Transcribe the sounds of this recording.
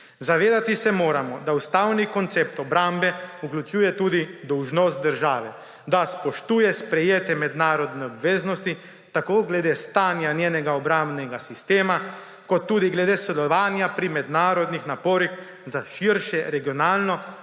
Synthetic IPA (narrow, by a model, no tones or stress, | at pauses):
zaʋeːd̪at̪isɛmoːɾamɔd̪aust̪awnikɔnt̪seːp̚t̪ɔbɾambɛuklʲut͡ʃuːjɛt̪uːd̪id̪ɔwʒnost̪̚d̪əɾʒaːʋɛ | d̪aspɔʃt̪uːjɛspɾɛjeːt̪ɛmɛd̪naːɾɔd̪nɛɔbʋeːznɔst̪i | t̪akoːɡlɛd̪eːst̪aːnjanjeːnɛɡaɔbɾambnɛɡasist̪eːma | kɔt̪ːuːd̪iɡlɛd̪eːsd̪ɛlɔʋaːnjapɾimɛd̪naːɾɔd̪nixnapoːɾix | zaʃiɾʃɛɾɛɡiɔnaːlnɔ